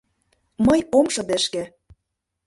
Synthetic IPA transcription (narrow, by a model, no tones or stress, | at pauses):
mɤjomʃɤ̆d̪ĕʃkĕ